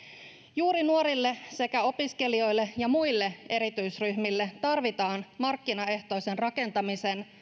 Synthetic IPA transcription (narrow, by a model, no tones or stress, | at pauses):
juːɾinuoɾilːe̞se̞kæo̞piske̞lio̞jlːe̞jɑmujlːe̞e̞ɾit̪yjsryçmilːet̪ɑrʋit̪ɑːnmɑrkːinɑe̞ht̪o̞ise̞nrɑke̞nt̪ɑmise̞n